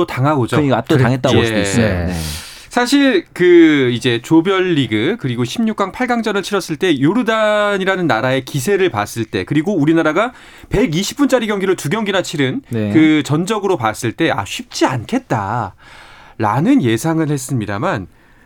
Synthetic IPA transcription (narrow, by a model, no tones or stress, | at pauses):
otaŋɦaɡod͡ʑot͈aŋɦet͈̚ae | sʰaɕʰiɭkɯid͡ʑe̞t͡ɕobjʌɭːiɡɯkɯɾiɡoɕʰimɲuk͈̚aŋpʰaɭɡaŋd͡ʑʌnɯɭt͡ɕʰiɾʌs͈ɯɭt͈e̞joɾudaɲiɾanɯnːaɾae̞kis̬ʰe̞ɾɯɭpa̰s͈ɯɭt͈e̞kɯɾiɡouɾinaɾaɡa | pe̞ɡiɕʰi̥p̚p͈unt͡ɕ͈aɾiɡjʌŋɡiɾotuɡjʌŋɡinat͡ɕʰiɾɯnkɯt͡ɕʌnd͡ʑʌɡɯɾopas͈ɯɭt͈e̞a̰ɕʰɥip̚t͡ɕ͈iankʰe̞t̚t͈a | ɾanɯnje̞sʰaŋɯɭhe̞s͈ɯmɲida̰man